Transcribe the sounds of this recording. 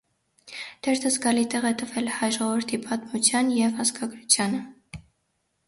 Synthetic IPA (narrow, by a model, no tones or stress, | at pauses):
d̪̥ɛɾt̪ʰəzɡɑlit̪ɛʁɛt̪əvɛlhɑjʒɔʁɔvəɾt̪ʰipɑt̪mut͡sʰjɑnjɛvhɑskɑɡɾut͡sʰjɑnə